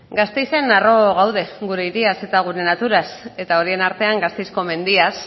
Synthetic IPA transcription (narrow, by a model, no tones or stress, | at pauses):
ɡast̪ejse̞naro̞ɣ̞awð̞e̞ɡuɾe̞iɾiase̞t̪aɣ̞uɾe̞nat̪uɾase̞t̪ao̞ɾie̞naɾt̪e̞aŋɡast̪ejsko̞me̞nd̪ias